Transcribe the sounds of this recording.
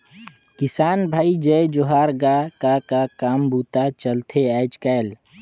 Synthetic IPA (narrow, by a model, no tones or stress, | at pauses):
kɪsaːnbʱaːid͡ʒəd͡ʒoɦaːɾɡakakakaːmbuːt̪at͡ʃəlt̪ʰeɛːt͡ʃkəel